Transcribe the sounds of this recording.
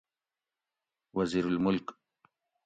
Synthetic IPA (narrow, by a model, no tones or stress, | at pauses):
waziːɾalmʊlk